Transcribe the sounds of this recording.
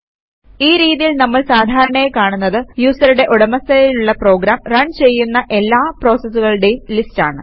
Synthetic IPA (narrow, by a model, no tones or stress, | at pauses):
iːɾiːðijilnɐmːɐɭsaːd̪ʱaːɾɐɳɐekaːɳunːɐðɨjuːsɐɾuɽe̞ʔoɽɐmɐsɐjiluɭːɐpro̞ːɡɾaːmrɐɳt͡ɕe̞jːunːɐʔe̞lːaːpro̞ːsɐsːuɣɐɭɨɽe̞jumlistaːɳɨ